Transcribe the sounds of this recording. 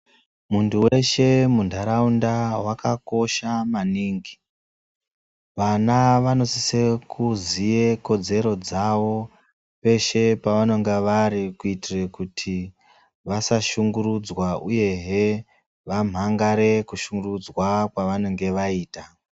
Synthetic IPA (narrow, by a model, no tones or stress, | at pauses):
muntuwe̞ʃe̞mundʱaɾaundawakako̞ʃamaniːŋɡi | ʋanaʋano̞sisekʰuzije̞ko̞d͡ze̞ɾo̞d͡zaʋo̞ | pe̞ʃe̞paʋano̞ŋɡeʋaɾikuitirekutʰi | ʋasaʃuŋɡuɾud͡zwauje̞ɦe | ʋam̤ʱaŋɡaɾe̞kuʃuŋɡurud͡zwakwaʋanoŋɡe̞ʋaiːta